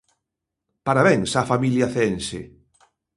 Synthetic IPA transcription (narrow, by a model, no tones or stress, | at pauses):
paɾaβɛŋsafamiljaθeensḛ